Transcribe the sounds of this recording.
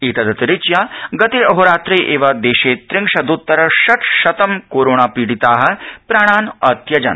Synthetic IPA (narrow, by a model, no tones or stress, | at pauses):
it̪ɐd̪ɐt̪ɾɪt͡ʃjaːɡɐt̪iɐɦoɾaːt̪ɾeːʔeːʋɐd̪eːʃeːt̪ɾɪŋʂɐd̪ut̪ːɐɾɐʃɐʈ̪ʃɐt̪ɐmkoːɾoːɽ̃aːpiːɽit̪aːɦɐ̆pɾaːɽ̃aːnɐt̪jɐd͡ʒɐ̰n